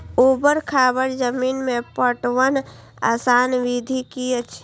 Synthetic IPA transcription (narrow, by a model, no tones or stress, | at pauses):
obəɾkʰabəɾd͡ʒəminmepəʈʋən | a̰ːsaːnʋid̪ʱikiət͡ʃʰ